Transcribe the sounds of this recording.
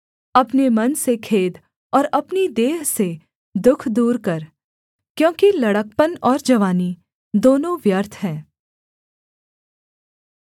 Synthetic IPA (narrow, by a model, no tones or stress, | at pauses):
ɐpnemɐnsekʰeːd̪ | ɔːɾɐpnid̪eːɦse | d̪ʊkʰd̪uːɾkɐɾ | kjõːkilɐɽək̚pənɔːɾd͡ʒɐʋaːni | d̪oːnõʋjəɾt̪ʰɦɛ̃ː